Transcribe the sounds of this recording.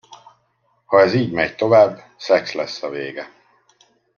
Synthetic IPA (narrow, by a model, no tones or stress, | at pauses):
hɒɛziːɟmɛjt̪o̞vaːbː | sɛkslɛsːɒveːɡɛ